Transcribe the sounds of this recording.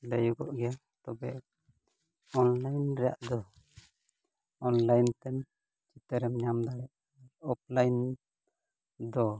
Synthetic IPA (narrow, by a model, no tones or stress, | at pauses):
lɛjuɡɔʔɡɛja | t̪ɔbɛʔ | ɔnlajnɾɛja̰ʔd̪ɔ | ɔnlajnt̪ɛn | t͡ʃit̪əɾɛmɲamd̪aɽɛʔ | ɔp̚lajn | d̪ɔ